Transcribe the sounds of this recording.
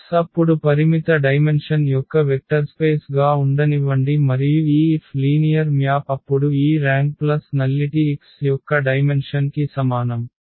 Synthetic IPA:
sɐpːuɽupɐɾimit̪ɐɖɐjmenʂɐnjɔkːɐʋek̚ʈɐɾspeːsɡaːuɳɖɐniʋɐɳɖimɐɾijuiːpʰliːnijɐɾmjaːpɐpːuɽuiːɾaːŋɡ̚plɐsnɐlːiʈiːksjɔkːɐɖɐjme̞nʂɐnkisɐmaːnɐm

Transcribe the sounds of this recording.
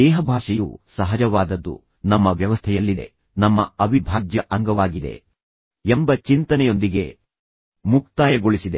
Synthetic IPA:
ɛːɦɐbʱaːʂɛjṵsɐɦɐd͡ʒɐʋaːd̪ɐd̪ːṵ | nɐmːɐʋjɐʋɐst̪ʰɛjɐlːid̪e̞̰ | nɐmːɐɐbʱibʱaːd͡ʒjɐʔɐŋɡɐʋaːɡid̪e̞̰ | embɐt͡ʃint̪ɐnɛjo̞nd̪iɡe̞̰ | muk̚t̪aːjɐɡoɭisid̪e̞

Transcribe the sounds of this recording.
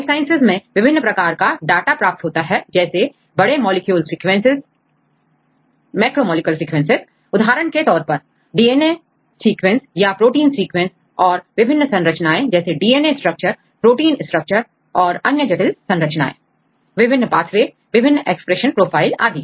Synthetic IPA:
saːɪ̃nsɪzmẽʋɪbʱɪnːəpɾɐkaːɾkaɖaːʈapɾaːp̚t̪ɦoːt̪aɦɛd͡ʒɛːse | bɐɽemɔːlɪkjuːlsiːkʋẽnsɪz | mɛːkɾoːmɔːlɪkjəlsiːkʋɛ̃nsɪz | ʊd̪ʱaːɾəɳket̪ɔːɾpɐɾ | ɖiːeːne | siːkʋẽnsjapɾoːʈiːnsiːkʋẽns | ɔːɾʋɪbʱɪnːsɐ̃nɾət͡ʃnaːẽd͡ʒɛːseɖiːeːnesʈɾək̚t͡ʃəɾ | pɾoːʈiːnɪ̃sʈɾək̚t͡ʃəɾ | ɔːɾɐnjəd͡ʒɐʈɪlsɐ̃nɾət͡ʃna̰ːḛ̃ | ʋɪbʱɪnːəpaːt̪ʰʋeː | ʋɪbʱɪnːʔeːkspɾeʃənpɾoːpʰaːɪla̰ːd̪iː

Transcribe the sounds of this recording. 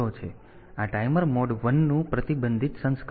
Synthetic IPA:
ot͡ʃʰe | aʈajməɾmoɖʋənːũpɾət̪ibənd̪ʱit̪sə̃nsk

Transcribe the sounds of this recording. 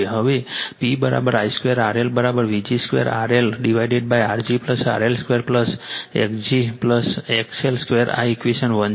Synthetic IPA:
eɦəʋepibəɾa̰bəɾajskʋeɾaɾelbəɾabəɾʋid͡ʒiskʋḛɾa̰ɾelɖiʋaiɖeɖ̚bajaɾd͡ʒipləsa̰ɾelskʋeɾpləsḛkd͡ʒipləsekselskʋeəɾa̰ikʋiʃənʋən

